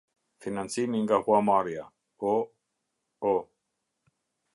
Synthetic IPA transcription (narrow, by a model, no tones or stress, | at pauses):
finansiniŋɡahwamaɾja | o | o